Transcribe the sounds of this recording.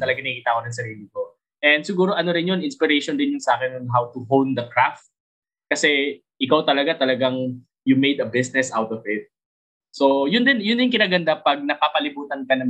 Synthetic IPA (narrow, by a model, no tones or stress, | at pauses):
t̪ɐlɐɡaŋɐkiːt̪ɐkonɐŋs̬ɐɾiːlɪko | ʔɛnd̪̚sɪɡuːɾoʔɐnoɾɪnjonɪnspɪɾɛjʃond̪ɪnjʊnsaːkɛnɔnɦawt̪ʊɦownd̪ɐkɹaft̪̚ | kɐsɛ | ʔɪkawt̪ɐlɐɡat̪ɐlɐɡaŋ | jʊmejd̪ɐbɪsnɛsʔawt̪ɔvɪt̪̚ | sojʊnd̪ɪnjʊnd̪ɪnkɪnaːɡɐnd̪apɐɡ̚nɐpapɐlɪbuːt̪ɐnkɐnɐ